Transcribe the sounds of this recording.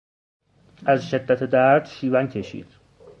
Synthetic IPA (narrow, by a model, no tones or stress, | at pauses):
ʔæzʃe̞d̪ːæt̪ʰed̪æɾd̪̥ʃiːvæncʰeʃḭːd̪̥